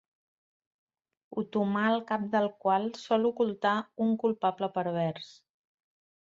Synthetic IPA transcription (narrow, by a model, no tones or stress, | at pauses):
ut̪umaəlˠkap̚d̪əlˠkwalˠsɔlukulˠt̪auŋkulˠpapləpəɾβ̞ɛrs